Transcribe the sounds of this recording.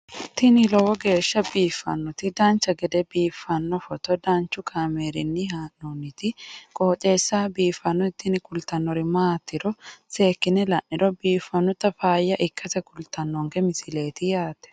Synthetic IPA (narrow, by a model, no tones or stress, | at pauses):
ɪt̪ːɪnɪlɔwɔɡe̞ːʃːɐbiːfːɐ̰nːɔt̪ɪd̪aːnt͡ʃːɐɡɛd̪ɛbiːfːɐnːɔfɔt̪ɔd̪aːnt͡ʃːʊkʰaːmeːɾɪnːɪhaːnːonːɪt̪ɪkʼɔːt͡ʃʼe̞ːsːaːbiːfːɐnːɔɪt̪ːɪnɪkʊlt̪ɐnːɔɾɪmaːt̪ːɪɾɔse̞ːkːɪnɛlɐʔːɪɾɔbiːfːɐnːʊt̪ɐfaːjːɐʔɪkːɐsɛkʊlt̪ɐnːɔŋɡɛmɪsɪle̞ːt̪ɪjaːt̪ɛ̥